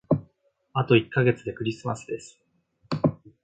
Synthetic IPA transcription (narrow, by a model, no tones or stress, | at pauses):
at̪o̞ikːaɡe̞t͡sɨd̪e̞kɯ̟ɾʲisɨmasɨd̪e̞sɨ̥